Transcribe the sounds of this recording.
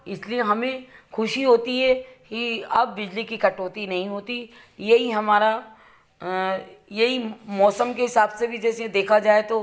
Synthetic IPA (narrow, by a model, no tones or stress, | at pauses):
ɪslieɦɐmẽxʊʃiɦoːt̪iɦɛkiɐbːɪd͡ʒlikikɐʈoːt̪inɐɦĩɦoːt̪i | jɐɦiɦɐmaːɾa | jɐɦimɔːsəmkeɦɪsaːbsebʱid͡ʒɛːsed̪eːkʰad͡ʒaːet̪o